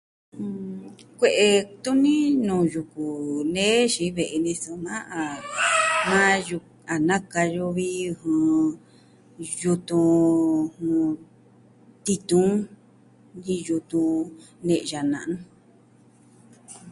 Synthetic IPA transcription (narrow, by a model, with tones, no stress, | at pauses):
kʷe˧ʔe˧t̪u˦nĩ˦nũː˨ju˧ku˨nẽ˦ʃi˧˦βe˧˨ʔe˧nĩ˧su˧˨mã˦ʔa˨ | mã˦ju˧ | a˨nã˦ka˧jo˧βi˦˧hũ˧ | ju˧t̪ũ˧hũ˧ | t̪i˧t̪ũ˦ | ji˧ju˧t̪ũ˧ | nẽ˧ʔʒa˨nã˧ʔnũ˦˧